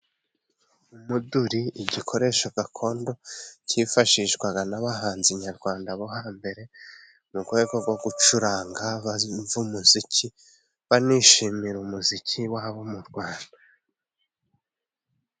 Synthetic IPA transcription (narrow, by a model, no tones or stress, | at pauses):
umuduɾiiɟikʰo̞ɾe̞ʃoɡakʰo̞ːndo̞cifaʃiʃɡwaɡanaβaɦaːnziɲaɾɡwaːndaβo̞ɦaːmbe̞ɾe̞ | muɡwe̞ːɡo̞ɡwo̞ɡut͡ʃuɾaːŋɡaβaɱvumuzicʰi | βaniʃimiɾumuzicʰiwaːβomuɾɡwaːnda